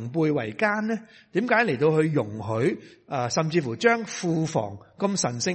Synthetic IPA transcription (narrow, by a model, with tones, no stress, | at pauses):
ŋpuː˧jwɐ̰˨˩jkaː˥nːɛː˥ | t̪iː˨˥mkaː˨˥jle˨˩jt̪o˧whɵ˧ɥjʊ˨˩ŋɦɵ˨˥ɥ | ʔaː˧sɐ˨mt͡siː˧fuː˨˩t͡ʃœː˥ŋfuː˧fɔ̰ː˨˩ŋkɐ˧msɐ˨˩nsɪ˥